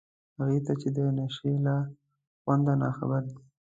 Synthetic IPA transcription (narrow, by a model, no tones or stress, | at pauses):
haɣit̪at͡ʃed̪ənaʃela | xwand̪anɑ̰xa̰bəɾd̪i